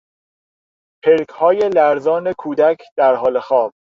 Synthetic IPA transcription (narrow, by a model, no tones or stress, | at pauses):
pʰelkʰhɒːje̞læɾzɒːnekʰuːd̪ækʰd̪̥æɾɦɒːlexɒːb̥̚